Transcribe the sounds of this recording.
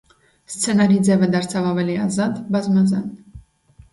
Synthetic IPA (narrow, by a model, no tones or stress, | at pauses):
st͡sʰɛnɑɾid͡zɛvəd̪ɑɾt͡sʰɑvɑvɛliɑzɑd̪bɑzmɑzɑ̰n